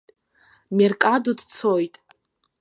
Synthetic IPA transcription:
merkʼadudt͡sʰojtʼ

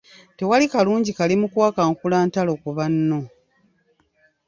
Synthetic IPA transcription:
te̞walikaluːɲɟikalimukwaːkaŋkulaːntalo̞kuβanːo̞

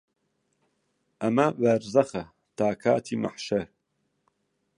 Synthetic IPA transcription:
ʔɐmɐvɐɾzɐxɐ | t̪aːkʰaːt̪ʰiːma̰ħʃɐɾ

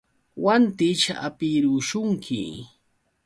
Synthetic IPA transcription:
want̪ɪt͡ʃa̰ʔapiɾʊʃʊŋkʰɪ̰

